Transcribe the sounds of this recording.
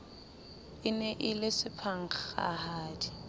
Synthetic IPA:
ɪnɛʔɪlɪsɪpʰaŋ̩χχa̰haːdi

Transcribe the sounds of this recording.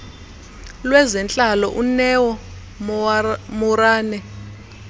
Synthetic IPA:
lwɛzɛnt͡ɬʼalɔʔunɛwɔ | muraːnɛ

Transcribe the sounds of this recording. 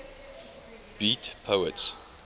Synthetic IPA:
b̥itpʰoəts

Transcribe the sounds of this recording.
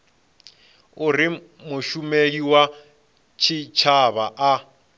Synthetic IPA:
uri | muʃumeiwa | t͡ʃʰit͡ʃʰaβaʔa

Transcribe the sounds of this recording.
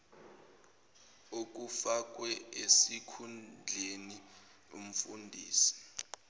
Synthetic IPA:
ok̬ʼufak̬ʼwɛesikʰund͡ɮʱeni | om̩fṵndʱiːsi̥

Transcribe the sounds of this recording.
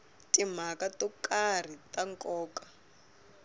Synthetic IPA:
tim̤akatɔkar̤itaŋkʼɔːkḁ

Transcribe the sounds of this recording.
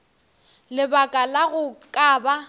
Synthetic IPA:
lɪbakʼalaɣʊkʼaːba

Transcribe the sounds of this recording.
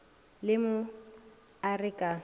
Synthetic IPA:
lɪmʊ | arɪkʼa

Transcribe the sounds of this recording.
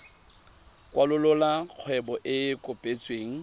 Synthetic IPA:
kwalʊlʊlaq͡χʰwɛbɔʔɪkʼʊpʼet͡sʼweːŋ̩

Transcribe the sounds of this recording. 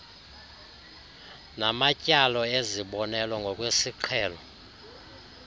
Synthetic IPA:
namacʼalɔeziɓɔnɛlaŋɡʱɔk̬ʼwesiǃʰɛːlɔ

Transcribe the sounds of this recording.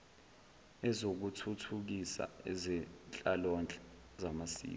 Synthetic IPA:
ɛzok̬utʰutʰuk̬isa̰ɛzɛnt͡ɬʼalɔnt͡ɬʼɛ | zamasḭː

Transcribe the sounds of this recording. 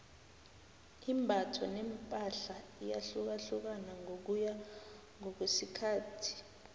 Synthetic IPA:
imbʱatʰɔnɛmpʼaɬaijaɬuk̬aɬuk̬anaŋok̬uja | ŋɔk̬wesikʰaːtʰi̥

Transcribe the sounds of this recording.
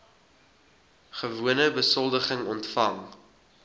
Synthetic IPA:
χəvuənəbəsɔlˠdəχəŋɔntfɐŋ

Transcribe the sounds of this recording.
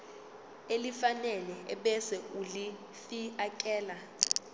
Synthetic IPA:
elifanɛlɛɛɓɛsɛuli | fiakʼɛːla

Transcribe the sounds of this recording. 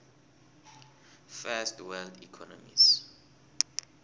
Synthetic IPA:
fɛstwɛldikʰɔnɔmḭs

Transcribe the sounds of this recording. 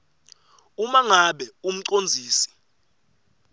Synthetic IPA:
umaŋaɓɛum̩ǀond͡zʱiːsi̥

